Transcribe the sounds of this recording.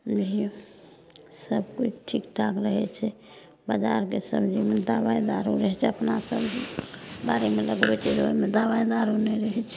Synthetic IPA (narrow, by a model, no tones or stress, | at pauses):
d͡ʒi | səbkut͡ʃʰʈʰikʈʰakɾəɦɛt͡ʃʰɛ | bad͡ʒaɾkesə̰bd͡ʒimed̪awaid̪aɾuɾəɦɛt͡ʃʰɛəpnasə̰b | baɾemeləɡbɛt͡ʃʰɛɾomed̪awaid̪aɾunɛɾəɦɛt͡ʃʰɛ